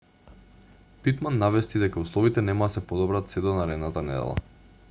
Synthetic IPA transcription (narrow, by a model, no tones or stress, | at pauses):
pit̪manːavɛst̪id̪ɛkauslˠɔvit̪ɛnɛmad̪asɛpɔd̪ɔbɾat̪sɛd̪ɔnaɾɛd̪nat̪anɛd̪ɛ̰lˠa̰